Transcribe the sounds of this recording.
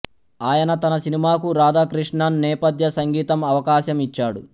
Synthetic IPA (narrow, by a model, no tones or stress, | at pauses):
aːjɐnɐt̪ɐnɐsinimaːkuɾaːd̪aːkɾiʂɳɐnːɛːpɐd̪ʱjɐsɐŋɡiːt̪ɐmɐʋɐkaːʃɐmit͡ʃːaːɽu